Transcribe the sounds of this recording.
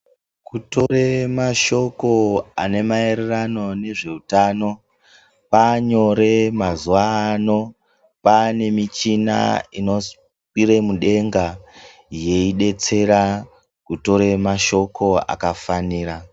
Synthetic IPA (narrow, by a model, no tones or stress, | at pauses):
kuto̞ɾemaʃo̞ko̞ane̞mae̞ɾerano̞ne̞ʐe̞utaːno̞ | paɲo̞ɾe̞mazuʋaːno̞ | pane̞mit͡ʃina̰ino̞s | kiɾe̞muɗe̞ŋɡa | je̞iɗe̞t͡se̞ɾa | kuto̞ɾe̞maʃo̞kʰo̞a̰kafaniːɾa